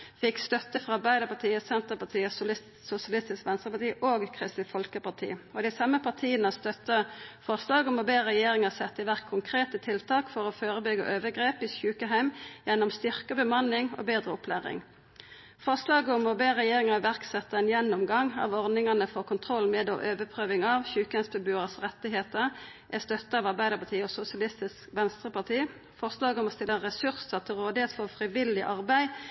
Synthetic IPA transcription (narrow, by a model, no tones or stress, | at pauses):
fɪkst̪œt̪ːəfɔʁɑʁbæɪd̪əpɑt̪ʰiːəsɛnt̪əpɑt̪ʰiːəsɪ | sʊsɪɑlɪst̪ɪskʋɛnsʁəpɑt̪ʰiːʔoːɡkʰʁɪst̪ɪfɔlkəpɑt̪ʰḭːɔd̪æɪsɑməpʰɑʁt̪ʰiːənəst̪œt̪ːəfɔʁslɑːɡəɔmɔbeːʁɛjeːʁɪŋɑsɛt̪ːəʋæʁkʰːʊŋkʰʁeːt̪ət̪ʰɪlt̪ʰɑːkfɔʁɔːføːʁəbʏɡə̰ʔøːʋəɡʁeːpɪsʉːkəɦæɪmjɛnːɔmst̪ʏʁkəbəmɑnɪŋo̰ːbeːd̪ʁəɔpʰlæːʁɪ̰ŋ | fɔʁslɑːɡəɔmɔbeːʁɛjeːʁɪŋɑɾʋæʁksɛt̪ːəɛːnjɛnːʊmɡɑŋɑ̰ʋɔʁnɪŋənəfoːkʰʊnt̪ʰʁɔlːmeːd̪o̰ːʔøːʋəpʰʁøːʋɪŋɑʋçʉːkəhæsbəbʉːʁəsʁɛt̪ːɪɦeːt̪əʁ | ʔæst̪œt̪ːəɑːʋɑʁbæɪd̪əpʰɑt̪iːɔːsʊsɪɑlɪst̪ɪskʋɛnst̪ʁəpɑʁt̪ʰiː | fɔʁslɑːɡəɔmɔst̪ɪlːəʁɛsʉʁsəʁt̪ʰɪlʁoːd̪ɪheːt̪fɔʁfʁɪʋɪlɪʔɑʁbæɪ